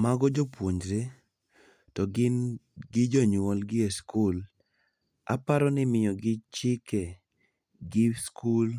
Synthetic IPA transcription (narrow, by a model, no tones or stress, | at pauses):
maɡɔd͡ʒɔpwoɲd͡ʒɾe | tɔɡ | ɡɪd͡ʒɔɲɔlɡɪeskul | a̰paɾɔnɪmɪjɔɡɪt͡ʃɪke | ɡɪskul